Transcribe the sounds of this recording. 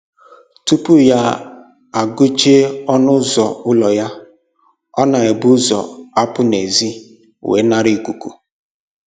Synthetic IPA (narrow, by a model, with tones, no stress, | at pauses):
tu˦pu˦ja˦ | a˨ɡʊ˦t͡ʃe˦ɔ˦nʊ˦zɔ˨ʊ˦lɔ˨ja˦ | ɔ˦na˨e˨bu˦zɔ̰˨a˦pʊ˦ne˨zi˦ | wḛ˨˦na˦ɾi˦˨ku˨ku˨